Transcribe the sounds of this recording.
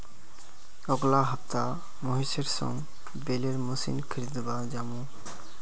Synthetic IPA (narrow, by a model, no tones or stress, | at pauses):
ɔɡlaɦəpt̪a | mɔɦiseɾsɔ̰̃ŋ | beleɾmusḭnkʰiɾid̪bad͡ʒamũ